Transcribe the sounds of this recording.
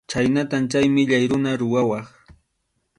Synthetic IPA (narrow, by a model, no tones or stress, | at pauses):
t͡ʃajnat̪amt͡ʃajmɪʎajɾʊnaɾʊwawɑχ